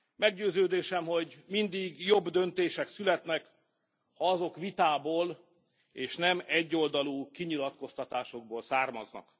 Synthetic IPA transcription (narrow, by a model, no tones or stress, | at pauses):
mɛɡɟøːzøːd̪eːʃɛmho̞ɟmind̪iɡjo̞bd̪ø̞nt̪eːʃɛksylɛt̪nɛk | hɒɒzo̞kʋit̪aːboːl | eːʃnɛmɛɟːo̞ld̪ɒluːkiɲilɒt̪ko̞st̪ɒt̪aːʃo̞ɡ̚boːlsaːrmɒznɒ̰k